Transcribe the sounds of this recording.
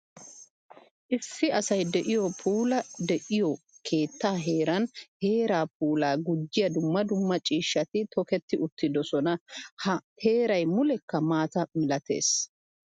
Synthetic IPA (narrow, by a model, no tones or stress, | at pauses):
ʔɪsːɪɐsɐjd̪ɛʔɪjɔpʰuːlɐd̪ɛʔɪjɔkʰe̞ːt̪ːaːɦe̞ːɾɐnhe̞ːɾaːp̚uːlaːɡʊd͡ʒːɪjɐd̪ʊmːɐd̪ʊmːɐt͡ʃʼiːʃːɐt̪ɪt̪ɔkɛt̪ːɪʊt̪ːɪd̪ɔsɔnɐhɐhe̞ːɾɐjmʊlɛkːɐmaːt̪ɐmɪlɐt̪ʰe̞̰ːs